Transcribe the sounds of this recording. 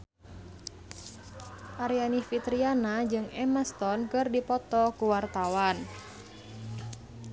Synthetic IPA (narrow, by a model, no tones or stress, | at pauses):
ʔaɾianifit̪ɾianad͡ʒɨŋɛməst̪ɔnkɨrdipɔt̪ɔkuwart̪awan